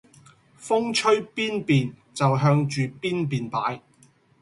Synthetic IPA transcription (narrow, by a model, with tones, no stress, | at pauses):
fʊ˥ŋt͡ʃʰɵ˥ɥpiː˥npiː˨n | t͡sɐ˨wɦœː˧ŋt͡ʃyː˨piː˥npiː˨npaː˨˥j